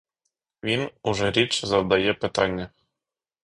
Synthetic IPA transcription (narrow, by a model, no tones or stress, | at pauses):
vʲinuʐɘɾʲet͡ɕzɑd̪ɑjepɘ̆t̪ɑnʲːɘ̆